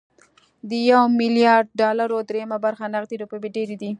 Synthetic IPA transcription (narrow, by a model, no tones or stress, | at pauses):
d̪əjawmɪljɑɾɖ̚ɖɑlaɾod̪ɾejamabaɾxanaxd̪iɾopebeɖeɾed̪i